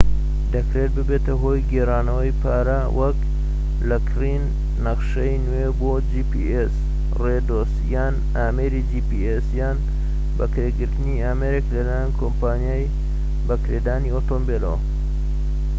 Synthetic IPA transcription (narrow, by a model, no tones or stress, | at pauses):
d̪ɐkɾeːt̪̚bɨbeːt̪ɐɦo̞ːjɡeraːnɐwɐjpʰaːɾɐ | wʔɐk | lɐkʰrinː | ɐqʃɐjnuwebod͡ʒipḭʔes | red̪osjaːn | aːmeːɾid͡ʒipiesjaːn | bɐ̰kɾeːɡɨɾt̪ɨniaːmeɾeklɐlaːjankʰompaːnjaːj | bɐkɾeːd̪aːniot̪oːmbelo̰w